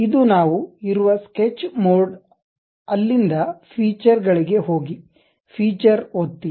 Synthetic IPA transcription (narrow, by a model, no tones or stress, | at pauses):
id̪unaːʋuiɾuʋɐsket͡ʃːmoːɖ | ɐlːind̪ɐpʰiːt͡ʃɐɾɡɐɭiɡe̞ɦoːɡi | pʰiːt͡ʃɐɾot̪ːi